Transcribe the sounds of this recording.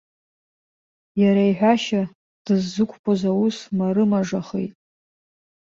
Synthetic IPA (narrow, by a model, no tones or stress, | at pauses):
jaɾaiħʷᶣaʃa | d̥ɨzːɨkʷʰʼpʰozawusmarɨmaʐaχḛjtʼ